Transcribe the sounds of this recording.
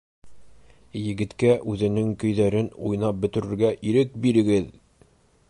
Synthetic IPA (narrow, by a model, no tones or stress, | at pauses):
jɘ̆ɡɘ̆t̪kæʔʉðɘ̆nɘŋkɵ̆jðæɾɘnujnɑp̚bɵ̆t̪ɵ̆ɾɘ̆ɾɡæʔiɾɘk̚biɾɘ̆ɡɘð